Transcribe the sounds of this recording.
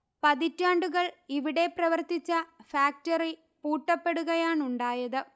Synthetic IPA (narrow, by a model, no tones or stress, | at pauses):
pɐðitːaːɳɖuɣɐɭiʋiɽe̞prɐʋɐrt̪it͡ɕːɐfaːk̚tɐri | puːʈːɐpːe̞ɽuɣɐjaːɳuɳɖaːjɐðɨ